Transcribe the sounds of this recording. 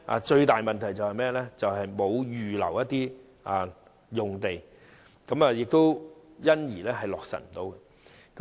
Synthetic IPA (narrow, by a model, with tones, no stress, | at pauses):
ʔa̰˧t͡ʃɵ˧ɥt̪aː˨jmɐ˨nt̪ʰjt͡sɐ˨whɐ˨jmɛː˥lɛː˥t͡sɐ˨wɦɐ˨jmo˨˧wjyː˨lɐ̰˨˩wjɐ˥t̪̚iː˥ | a˨ | jʊ˨ŋt̪e˨j | kɐ˨˥mɐː˨jɪ˨k̚t̪o˥wjɐ˥njiː˨˩lɛː˥ɦɐ˨jlɔː˨k̚sɐ̰˨˩nm̩˨˩t̪o˨˧wkɛ˧ | kɐ˨˦